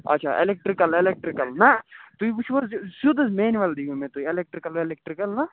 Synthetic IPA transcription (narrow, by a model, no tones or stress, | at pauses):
ɐ̰tːt͡ʃʰa̰ʔḛlek̚ʈɾikɐlelek̚ʈɾikɐlnat̪uibuʃuzsud̪ɐsmeːnʋɐld̪iɡomẽt̪uielek̚ʈɾikɐlelek̚ʈɾikɐlnɐ